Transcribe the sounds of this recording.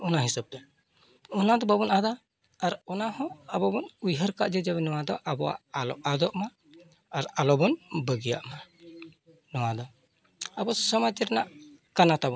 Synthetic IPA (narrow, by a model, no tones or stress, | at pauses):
ɔnaɦisab̚t̪ɛ | ɔnad̪ɔbabɔnad̪aː | ɾɔnahɔ̃abɔbɔnujɦəɾkaʔd͡ʒɛd͡ʒaβɛnɔwad̪ɔʔabɔwa̰alɔ̰ʔad̪ɔʔmaː | ɾalɔbɔnbəɡija̰ʔma | nɔwad̪ɔ | abɔsɔmad͡ʒɛɾnaʔkanat̪abɔ